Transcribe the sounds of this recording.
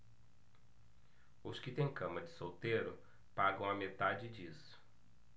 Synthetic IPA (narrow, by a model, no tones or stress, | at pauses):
ʊskɪt̪ẽj̃kɐ̃mɐd͡ʒɪsowt̪eɾʊ | paɡɐ̃w̃ɐmet̪ad͡ʒɪd͡ʒisʊ̥